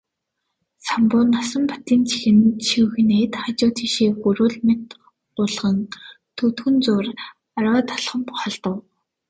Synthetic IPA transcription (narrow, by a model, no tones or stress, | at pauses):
sampʊːnːasə̆mpḁt̪iːnt͡ɕʰi̥xɘ̆nt͡ɕʰixɵxɘ̆net̪χat͡ɕʊːt̪ʰiːʃeːɡuɾʊːɮmet̪ | ʊɮʁə̆n | t̪ʰɵt̪xɵ̆nt͡sʊːr | aɾwaːt̪ʰḁɮχə̆mpʊ̥χăɮt̪ə̆w